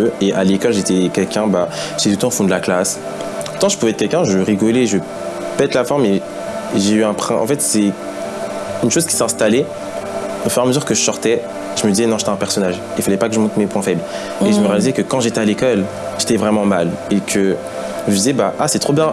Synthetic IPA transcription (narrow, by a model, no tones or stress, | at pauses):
øeʔalekɔlʒet̪ɛkʲɛlkʲɛ̃ba | ʒə̥t̪ɛt̪ult̪ɑ̃fɔ̃d̪əlaklas | t̪ɑ̃ʒəpuvɛt̪̚kɛlkʲɛ̃ʒəvəʁiɡɔleʒəə | pɛt̪lafɔʁme | ʒeyɛ̃pχɛ̃ʔɑ̰̃fɛt̪sɛ | ynʃoz̥kʲisɛɛ̃st̪ale | ofyʁaməzyʁkəʒəsɔʁt̪ɛ | ʒ̥əməd̪izɛnɔ̃se̥t̪ɛ̃pɛʁsɔnaʒ | ilfalɛpakəʒəmɔ̃t̪mepwɛ̃fɛbl | eʒəməʁjalizɛkəkɑ̃ʒet̪ɛalekɔl | ʒ̥et̪ɛvʁɛmɑ̃malekʰə | ʒəd̪izɛbaʔasɛt̪χobjɛ̃